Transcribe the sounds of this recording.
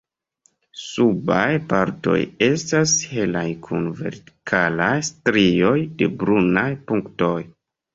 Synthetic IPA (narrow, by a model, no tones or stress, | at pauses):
subajpaɾto̞̰je̞stashe̞lajkʰunve̞̰ɾti̥kʰalajstɾio̞jde̞bɾunajpuŋkto̞j